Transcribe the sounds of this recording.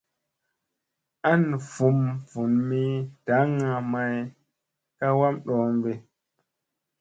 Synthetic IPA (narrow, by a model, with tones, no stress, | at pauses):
ʔa˦n˨fu˨mvu˨nmi˦d̥a˨˦ŋa˨ma˨˦j | ka˦wa˦mɗɔː˨mbe˨